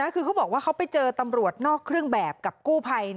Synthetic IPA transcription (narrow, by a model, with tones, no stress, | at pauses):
a˦˥kʰɯː˧kʰa˦˥wbɔː˨˩k̚waː˥˩a˦˥wpa˧jt͡ɕɤː˧t̪a˧mɾu˨˩ət̪̚nɔː˥˩kʰːɾɯ˥˩əŋbɛː˨˩p̚ka˨˩p̚kuː˥˩pʰa˧j